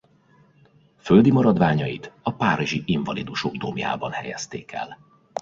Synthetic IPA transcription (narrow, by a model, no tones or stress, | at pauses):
føld̪imɒɾɒd̪ʋaːɲɒjit̪ɒpaːɾiʒiʔiɱvɒlid̪uʃoɡd̪omja̰ːbɒnhɛjɛst̪eːkʰɛ̰l